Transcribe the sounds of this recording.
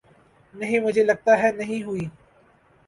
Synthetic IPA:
nɐɦĩmʊd͡ʒʱelɐɡ̚t̪aɦɛnɐɦĩɦuiː

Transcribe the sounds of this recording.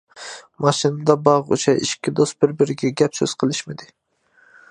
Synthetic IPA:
mɑʃɨnɨd̪ɑbɑʁṵʃɛʔiʃkʲʰːid̪ost̪̚bɪɾbɪɾɪɡʲɛɡʲɛpsø̰z̥qʰəlˠɨʃmɪd̪ɪ

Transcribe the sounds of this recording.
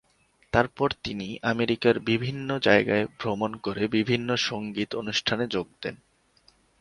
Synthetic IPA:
t̪aɾpɔɾt̪iniʔameɾikaɾbibʱinːod͡ʑaeɡaebʱɾomonkoɾebibʱinːoʃoŋɡit̪onuʃʈʰaned͡ʑoɡ̚d̪̥ḛn

